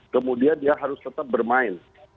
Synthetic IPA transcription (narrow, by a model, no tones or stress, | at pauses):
kəmudiandiaɦaɾʊst̪ət̪ap̚bərmaɪn